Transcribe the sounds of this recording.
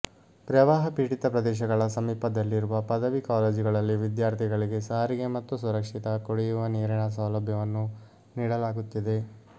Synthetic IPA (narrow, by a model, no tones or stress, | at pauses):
pɾɐʋaːɦɐpiːɽit̪ɐpɾɐd̪ɛːʃ̬ɐɡɐɭɐsɐmiːpɐd̪ɐlːiɾuʋɐpɐd̪ɐʋikaːleːd͡ʒiɡɐɭɐlːiʋid̪jaːɾt̪ʰiɡɐɭiɡe̞saːɾiɡe̞mɐt̪ːusuɾɐkʂit̪ɐkoɽijuʋɐniːɾɐɳɐs̬ɐːlɐbʱjɐʋɐnːu | niːɽɐlaːɡut̪ːid̪e̞